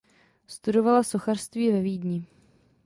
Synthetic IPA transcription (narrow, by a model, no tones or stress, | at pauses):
st̪udo̞valaso̞xarst̪viːvɛviːdɲɪ